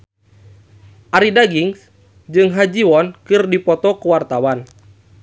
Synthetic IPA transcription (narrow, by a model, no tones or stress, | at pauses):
ʔaɾidaɡiŋs | d͡ʒɨŋɦad͡ʒiwɔnkɨrdipɔt̪ɔkuwart̪awan